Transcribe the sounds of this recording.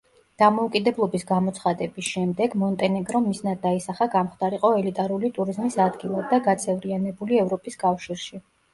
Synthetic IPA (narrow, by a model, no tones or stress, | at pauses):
d̪̥amɔukʼid̪ɛblˠɔbisɡamɔt̪sʰχad̪ɛbisʃɛmd̪ɛɡmɔnt̪ʼɛnɛɡɾɔmisnad̪d̪aisaχaɡamχd̪aɾiqʼɔɛlit̪ʼaɾulit̪ʼuɾizmisad̪ɡilˠad̪̚d̪ːaɡat̪sʼɛvɾianɛbuliɛvɾɔpʼiskʼafʃiɾʃi